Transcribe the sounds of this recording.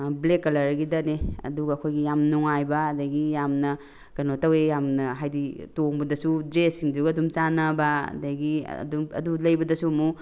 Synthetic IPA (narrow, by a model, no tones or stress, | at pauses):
blekːɐlɐɾɡidɐneɐ̰duɡɐːkʰojɡijamnuŋajbɐːdɐɡijamnɐ | kɐnotɐwejamnɐɦajditoŋbɐdɐsudɾesiŋduɡɐɐdumt͡ʃanɐbɐɐ̰dɐɡḭdumɐ̰dulɐjbɐdɐsuɐmu